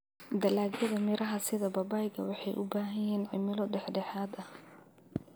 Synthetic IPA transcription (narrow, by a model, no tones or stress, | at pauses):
d̪ɐlaːɡjɐðɐmɪɾʔɐɦɐsɪðɐbɐbaːjɡɐ̰wɑħɑjʔʊ̰baːɦɐjɛːnʕɪ̰mɪlɔɖɛħɖɛħaːd̪ɐh